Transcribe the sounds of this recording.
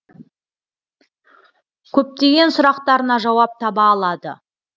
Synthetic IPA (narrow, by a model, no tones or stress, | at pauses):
kʲʰɵp̚t̪e̞ɡʲe̞nsʊɾɑqt̪ɑɾənɑʒɑwɑp̚t̪ʰɑbɑːlˠɑd̪ə̰